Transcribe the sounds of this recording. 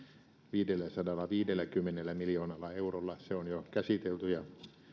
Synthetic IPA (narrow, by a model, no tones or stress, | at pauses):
ʋiːdelːæsɑdɑlːɑʋiːdelːˑækymːenelːæmiljoːnɑlːɑeurolːɑseonjokæsit̪elt̪yjɑ